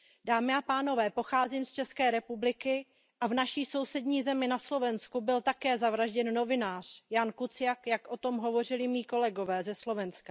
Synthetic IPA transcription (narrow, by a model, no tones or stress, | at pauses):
daːmɪapaːno̞vɛːpo̞xaːziːmst͡ʃɛskɛːɾɛpublɪkɪ | ʔavnaʃiːso̞wsɛdɲiːzɛmɪnaslo̞vɛnskubɪlt̪akɛːzavɾaʒɟɛnːo̞vɪnaːr̝̥jankut͡sɪjakjakʔo̞t̪o̞mɦo̞vo̞r̝ɪlɪmiːko̞lɛɡo̞vɛːzɛslo̞vɛnskḁ